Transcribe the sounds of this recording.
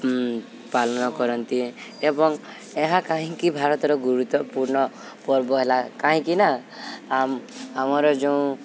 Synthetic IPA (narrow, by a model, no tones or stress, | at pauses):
palɔnɔkɔɾɔnt̪iebɔŋ | eɦakãɦĩkibʱaɾɔt̪ɔɾɔɡuɾut̪wɔpuɾɳɔ | pɔɾbɔɦelakãɦĩkinaamamɔɾɔd͡ʒeũ